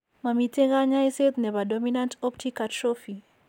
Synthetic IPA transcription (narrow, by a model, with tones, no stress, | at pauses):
ma˨mi˨te˦ɣa˦ɲa˦i˦set̪nɛ˨βa˨dɔminãntɔptʰikatɾofi˨